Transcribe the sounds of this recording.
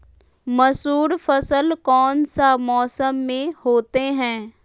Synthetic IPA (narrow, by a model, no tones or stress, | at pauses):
mɐsuːɾfɐsəlkɔːnsamɔːsəmːẽhoːt̪eɦɛ̃ː